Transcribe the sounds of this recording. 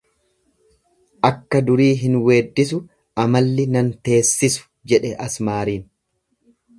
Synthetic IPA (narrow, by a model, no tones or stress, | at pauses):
ʔɐkːɐd̪ʊɾiːɦɪnwe̞ːd̪ːɪs̬ʊ | ʔɐmɐlːɪnɐnt̪e̞ːsːɪsʊ̥d͡ʒɛᶑɛʔɐsmaːɾiːn